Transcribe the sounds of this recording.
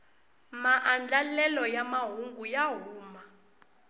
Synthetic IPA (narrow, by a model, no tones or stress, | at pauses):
maʔand͡ɮalɛlɔjamaɦuŋɡujaɦuːma